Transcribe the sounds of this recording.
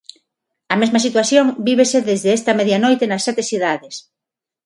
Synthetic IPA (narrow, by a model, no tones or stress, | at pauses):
ɐmezmɐsit̪waθjoŋbiβ̞eseðezðeest̪ɐmɛðjanojt̪enɐsːɛt̪esθiðaðes